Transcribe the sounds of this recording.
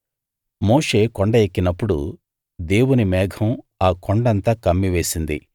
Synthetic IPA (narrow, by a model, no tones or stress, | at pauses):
mo̞ːʂe̞ːkoɳɖɐjekːinɐpːuɽṵ | d̪e̞ːwunimɛːɡʰʱɐm | aːkoɳɖɐnt̪ɐkɐmːiʋe̞ːsind̪ḭ